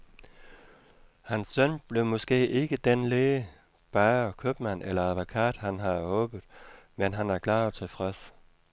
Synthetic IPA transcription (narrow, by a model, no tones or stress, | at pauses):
hænsːœn̰b̥le̝ʊmɔ̽sɡ̥e̝̰ːʔe̝ɡ̥əd̥enleː | b̥ɑːɒkʰøb̥mæn̰elɐæðˠʋokʰɑ̰̈ːd̥hænɦɑ̈ɔ̽ːb̥ð̩ˠmenɦænæɐkʰlɑ̰̈ːt͡sʰe̝lfʁɛs